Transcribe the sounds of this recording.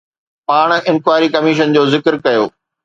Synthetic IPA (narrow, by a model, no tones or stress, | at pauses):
paːɽ̃ɪ̃nkwaːɾikɐmiːʃ̬ənd͡ʑoːzɪkɾkɐjoː